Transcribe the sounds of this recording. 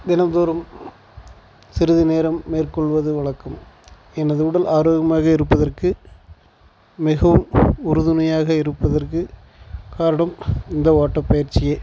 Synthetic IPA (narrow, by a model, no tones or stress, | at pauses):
d̪ɪnɐmd̪oːɾɐm | sɪɾɯðɯneːɾɐmːeːrkɔɭʋɐðɯʋɐɭɐkːɯm | ɛnɐðɯʊɽɐlʔaːɾoːɣɐmaːɣɐɪɾɯpːɐðɐrkɯ | mɪɣɐʋɯmʊɾɯðɯnɐjaːɣɐɪɾɯpːɐðɐrkɯ | kaːɾɐɳɐmɪnd̪ɐʋaːʈːɐpːɐjɐɾt͡ʃɪjɐː